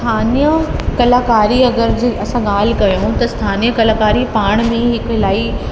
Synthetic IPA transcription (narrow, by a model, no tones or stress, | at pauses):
t̪ʰaːnijəkɐlaːkaːɾiɐɡəɾd͡ʑiːʔɐsãɠaːl̤kɐjõt̪ɐst̪ʰaːniːjəkɐlaːkaːɾipaːɽ̃mẽɦɪkʊlaːi